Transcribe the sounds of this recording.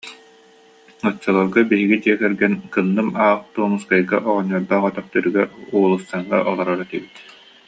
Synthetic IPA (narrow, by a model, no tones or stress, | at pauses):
ɯt͡ɕːɔlˠaɾɡabiɦiɡid̪iɛkɛɾɡɛnkɯnːɯmaːχt̪uɔmuskajɡaʔɔʁɔnɔːɾd̪aːχɔt̪ɔχt̪œɾyɡɛɾuːlˠust̪aŋʁa̰ʔɔlˠɔɾaɾɯt̪ibit̪